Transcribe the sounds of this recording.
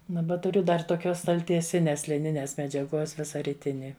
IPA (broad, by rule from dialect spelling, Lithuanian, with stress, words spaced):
ˈnʊ ʋɐ tʊˈrʲʊ dɐr toːˈkʲoːs stɐlʲtʲiɛˈsʲɪnʲeːs lʲɪˈnʲɪnʲeːs mʲɛd͡ʒʲɛˈɡuɔs ˈʋʲɪsɐ rʲɪˈtʲɪnʲɪ